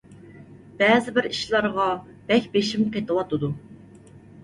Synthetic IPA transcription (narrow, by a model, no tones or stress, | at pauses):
b̥ɛzɪbɪɾiʃlˠɑɾʁɑ | b̥ɛkʲbeʃimqʰet̪ʰɨwɑt̪ʰɨd̪u